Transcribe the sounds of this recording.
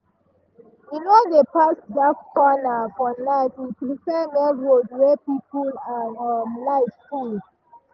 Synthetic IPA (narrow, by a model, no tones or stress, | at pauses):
jinodepasdafkɔnakɔ̃nlaɪfipɾifɛmɛɹodwɛpipulaɔmlaɪfkul